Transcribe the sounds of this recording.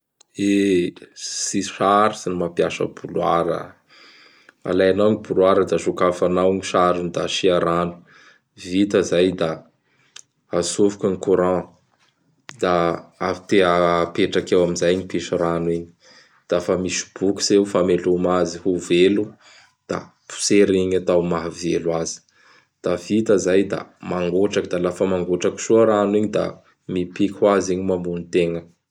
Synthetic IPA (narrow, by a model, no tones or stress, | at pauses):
e | siʃaɾusinimapjaʃə̰bulwa̰ɾə̰ | a̰lajanawŋibulwaɾəd̪aʃukafanawɲiʃaɾund̪aʃiaɾanu̥ | vit̪əzajd̪a | asuvukəŋikuɾɑ̃ | d̪̥aafi̥t̪eapeʈ͡ʂakewaminzajnipiʃuɾanwiɲi̥ | d̪̥afəmisi̥b̥uki̥sewfamelumazihuvelu | d̪̥a̰ | pu̥seɾiɲat̪awmaɦvelwazi̥ | d̪̥avit̪əzajd̪a̰maŋɡoʈ͡ʂakd̪alafəmaŋɡoʈ͡ʂaki̥ʃuəɾanwiɲid̪a̰ | mipikʲʰwaziɲimambunit̪eŋə